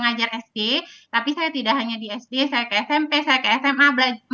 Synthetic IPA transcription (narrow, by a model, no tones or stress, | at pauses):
ŋad͡ʒarɛsdet̪apisajat̪idaʔɦaɲadiɛsdesajakəɛsɛmpesajakəɛsɛmabəlad͡ʒ